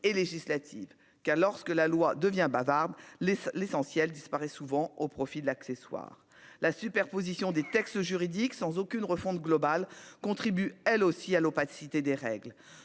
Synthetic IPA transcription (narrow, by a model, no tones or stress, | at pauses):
eleʒislat̪ʰḭv | kaʁlɔʁskəlalwad̪əvjɛ̃bavaʁd̪llesɑ̃sjɛld̪ispaʁɛsuvɑ̃opχɔfid̪əlakseswa̰ːʁ | lasypɛʁpozisjɔ̃d̪et̪ɛkst̪əʒyʁid̪iksɑ̃zokʲynʁəfɔ̃t̪ɡlɔbalkɔ̃t̪χibyɛlosialopat̪i̥sit̪ed̪eʁɛ̰ɡl